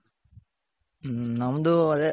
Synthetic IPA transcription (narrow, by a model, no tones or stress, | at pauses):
nɐmɐd̪uɐd̪e